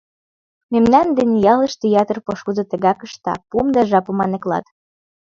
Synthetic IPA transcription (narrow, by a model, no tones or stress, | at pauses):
memnɑnd̪enjɑlə̆ʃt̪ejɑt̪ə̆rpoʃud̪ɤ̆t̪ə̆ɣɑkə̆ʃt̪ɑ̰pumd̪ɑʒɑpɤ̆mɑnĕklɑ̰t̪